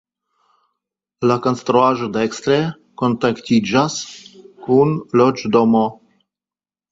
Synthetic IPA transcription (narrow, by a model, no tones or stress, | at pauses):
lakɔnst̪ɾoaʒod̪ɛkst̪ɾɛ | kont̪akt̪ʲid͡ʒaskunlɔd͡ʒd̪ɔmɔ